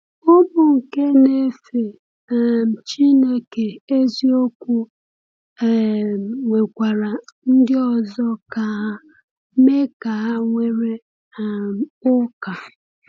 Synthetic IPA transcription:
ʊ˦bʊ˨ŋ̩˨ke˦ne˦fe˨ | m̩˨t͡ʃi˦ne˦ke˨e˦zi˦o˦kʷu˦˨ | ŋʷe˨kʷa˨ɾa˨n̩˦dɪ˦ɔ˨zɔ˦ka˨ɦa˦ | me˦ka˨ɦa˦ŋʷe˨ɾe˦˨ | m˨ʊ˦ka˨

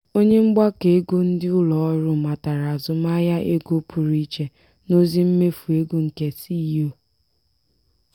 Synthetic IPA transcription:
o˦ɲe˦ŋ͡m̩˦ɡ͡ba˦ke˨e˦ɡo˦n̩˦dɪ˦ʊ˦lɔ˨ɔ˦ɾʊ˦ma˨ta˨ɾa˨a˨zʊ˦ma˦ja˦ʔe˦ɡo˦pʰu˨ɾi˦t͡ʃe˨ | no˦zi˦m̩˦me˦fu˨e˦ɡu˦ŋ̩˨ke˦si˦jo˦

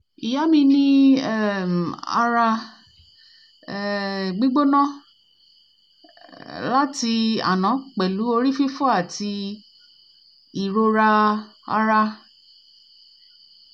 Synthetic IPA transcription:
i˨ja˨˦mĩ˧nĩ˦ | a̰˧ɾa˧˦ | ɡ͡bi˦ɡ͡bo˦nã˦ | la˦ti˧a̰˨nã˨˦k͡pɛ˨lu˨˦o˧ɾi˦fi˦fɔ˦a˦˨ti˧ | i˨ɾo˧ɾa˧a̰˧ɾa˧

